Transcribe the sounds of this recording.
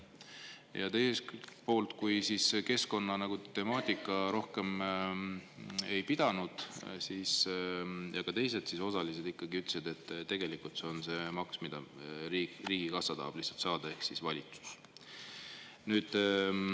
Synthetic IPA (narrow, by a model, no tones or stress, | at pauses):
jɑt̪e̞jsespo̞ːlt̪kujsiske̞sko̞nːɑnɑɡ̥ut̪e̞mɑːt̪ʲikːˑɑɾo̞hke̞m | e̞jpid̪̥ɑnud̪̥siːs | jɑkɑt̪e̞js̬e̞t̪siso̞sɑlised̪̥ikːɑɡiyt̪ːˑe̥sid̪̥e̞t̪ːˑt̪ːe̞ɡ̥e̞likult̪seo̞nse̞mɑksmid̪̥ɑiriːɡ̥ikɑsːɑt̪ɑ̰ːb̥liht̪sɑlt̪sɑːd̪̥ɑe̞hksisvɑlʲit̪u̥s | nyːd̪̥